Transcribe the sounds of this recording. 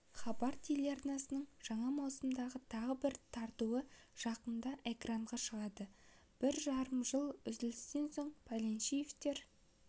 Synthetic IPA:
χɑbɑɾt̪ʰeleɑrnɑsənəɴʒ̥ɑɴɑmɑwsəmd̪ɑʁət̪ʰɑʁəbɪɾt̪ʰɑɾt̪uwəʒ̥ɑqənd̪ɑʔe̞kraɴʁɑʃəʁɑd̪ə | b̥ɪɾʒɑɾəmʒəlˠʏzd̪ɪlɪst̪e̞nso̞ɴpʰalʲenʃijeft̪e̞ɾ

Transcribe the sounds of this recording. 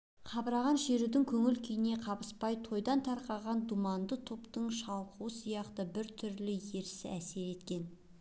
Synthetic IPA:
qʰɑbɾɑʁɑnʃe̞ɾud̪ɪŋkʲʰɵŋɪlkʲʰijɪne̞qʰɑbəspɑjt̪ʰo̞jd̪ɑnt̪ʰɑɾqɑʁɑnd̪umɑnd̪ət̪ʰopt̪əɴʃɑlˠquwəsijɑqt̪əbɪɾt̪ʰʏɾlɪje̞ɾsɪæse̞ɾe̞t̪kʲe̞n

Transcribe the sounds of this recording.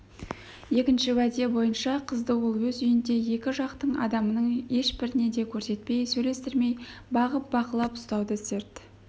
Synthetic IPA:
je̞kʲɪnʃɪwæd̪e̞bo̞jənʃɑqʰəzd̪əwolˠwɵzʏjɪnd̪e̞je̞kʲɪʒɑqt̪əɴɑ̰d̪ɑmənəɴe̞ʃbɪɾɪne̞d̪e̞kʲʰɵɾse̞t̪̚pe̞jsɵjle̞st̪ɪɾme̞jbɑʁəp̚bɑqəlˠɑpʊ̥st̪ɑwd̪əse̞ɾt̪

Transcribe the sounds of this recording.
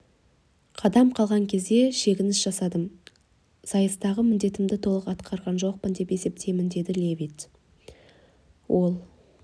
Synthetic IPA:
qʰɑd̪ɑmqʰɑlˠʁɑŋkʲʰe̞zd̪e̞ʃe̞kʲɪnɪsʒ̥ɑsɑd̪əm | sɑjəst̪ɑʁəmɪnd̪e̞t̪ɪmd̪ɪt̪ʰo̞lˠəqɑt̪qʰɑɾʁɑnʒo̞q̚pənd̪e̞pe̞se̞p̚t̪ʰe̞jmɪnd̪e̞d̪ɪlʲevit̪ | wʔo̞lˠ

